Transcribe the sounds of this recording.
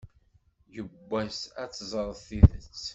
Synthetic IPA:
jəbːæsæt͡sːzˤɾˤðθiðət͡sː

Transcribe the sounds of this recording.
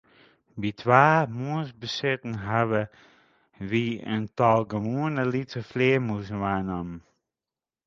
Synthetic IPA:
ʋitʰʋaːmuəsbəsɪtn̩ɦaʋə | ʋiə̰ntɔlˠɡəmuənəlitəfleəmusənʋaːnamn

